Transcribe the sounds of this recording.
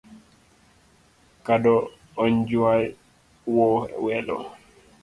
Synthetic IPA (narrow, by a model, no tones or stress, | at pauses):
kadɔ | ɔɲd͡ʒuwaj | wɔhɛwɛlɔ̰